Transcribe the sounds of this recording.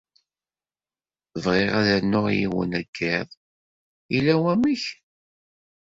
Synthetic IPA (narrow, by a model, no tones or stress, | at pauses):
vʁeʁæðænːʊʁjḭwə̰næɡːɪðˤ | ilæwæmiç